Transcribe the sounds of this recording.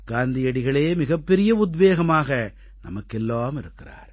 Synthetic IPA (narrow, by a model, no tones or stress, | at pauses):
ɡaːnd̪ɪjɐɽɪɣɐɭeːmɪɣɐpːɛɾɪjɐʊd̪ʋeːɣɐmaːɣɐ | nɐ̰mɐkːɛlːaːmɪɾɯkːɪɾa̰ːɾ